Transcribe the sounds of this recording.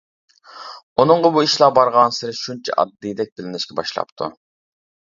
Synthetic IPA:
unɨɴʁəbuiʃlˠɑbɑɾʁɑnsɪɾɪʃunt͡ʃʰɛ̰ʔɑ̰d̪d̪ijd̪ɛk̚ʲb̪ɪlɪnɪʃkʲɛbɑ̰ʃlˠɑ̰pt̪ʰṵ

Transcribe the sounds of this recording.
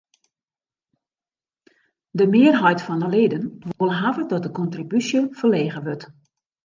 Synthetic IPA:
dəmɪərɦɔjtfɔnəledənʋolˠɦavədɔt̚dəkɔntribysjəfərleːɣəʋøt

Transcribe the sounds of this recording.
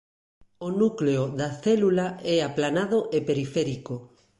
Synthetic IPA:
onukleoðaθɛlulaɛaplanaðoʔepeɾifɛɾiko

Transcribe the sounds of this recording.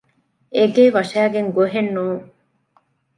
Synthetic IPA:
eɡeːʋɐʃæːɡeŋɡoɦenːuːŋ

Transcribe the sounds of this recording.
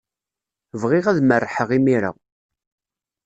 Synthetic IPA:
vʁɪʁæðmərːħəʁimiɾa̰

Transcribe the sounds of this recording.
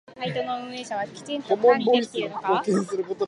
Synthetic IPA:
hait̪onoɯ̟̃eːɕaβakʲi̥t̪ẽnomõmboɾʲisɨokoːkẽɰ̃sɨɾɯ̟ko̞t̪o

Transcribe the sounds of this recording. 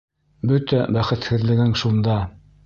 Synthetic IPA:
bɵt̪æbæχɘ̆t̪hɘ̆ðlɘ̆ɡæŋʃund̪ɑ

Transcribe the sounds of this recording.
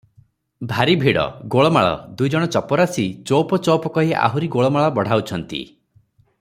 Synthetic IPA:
bʱaɾibʱiɽɔ̰ɡoɭɔmaɭɔ̰d̪ujd͡ʒɔɽ̃ɔt͡ʃɔpɔɾasit͡ʃopɔt͡ʃɔwpɔkɔɦiʔa̰ɦuɾiɡoɭɔmaɭɔbɔɽ̤awt͡ʃʰɔnt̪ḭ

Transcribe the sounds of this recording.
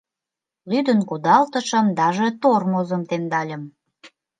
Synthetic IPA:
lyd̪ənkud̪ɑlt̪əʃə̆md̪ɑʒet̪ormozəmt̪emd̪ɑlʲəm

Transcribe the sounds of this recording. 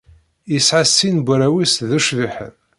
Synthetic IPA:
jəsʕasːinbʷɾæwisðuʃviħə̰ð

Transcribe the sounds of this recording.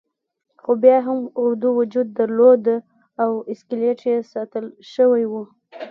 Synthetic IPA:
xobjɑɦamʊɾd̪uwʊd͡ʒud̪̚ːaɾlod̪ | awɪskaleʈjesɑt̪əlʃəwajwu

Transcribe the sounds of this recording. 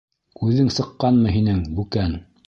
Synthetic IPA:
ʉðɘŋsɤ̆qːɑnmɤɦinɘŋbʉkæn

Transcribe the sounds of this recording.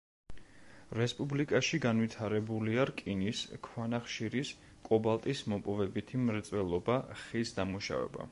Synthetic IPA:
ɾɛspʼublikʼaʃiɡanvit̪ʰaɾɛbuliaɾkʼiniskʰwanaχʃiɾis | kʼɔbalˠt̪ʼismɔpʼɔvɛbit̪ʰimɾt̪sʼwɛlˠɔbaχisd̪amuʃa̰vɛ̰ba̰

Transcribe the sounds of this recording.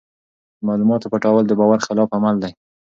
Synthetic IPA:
mɑlumɑt̪opəʈɑwəld̪əbɑwaɾxɪlɑfamald̪aj

